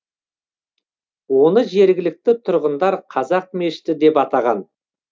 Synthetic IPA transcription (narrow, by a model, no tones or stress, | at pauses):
wo̞nəʒe̞ɾɡʲɪlɪk̚t̪ɪt̪ʰʊɾʁənd̪ɑɾqʰɑzɑq̚me̞ʃɪ̥t̪ɪd̪e̞pɑt̪ɑʁɑn